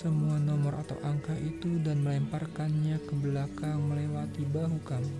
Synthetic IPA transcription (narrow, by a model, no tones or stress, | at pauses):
səmuanɔmɔrʔa̰t̪a̰wʔaŋkaʔit̪udanməlɛmparkanɲakəbəlakaŋməlewat̪ibaɦukami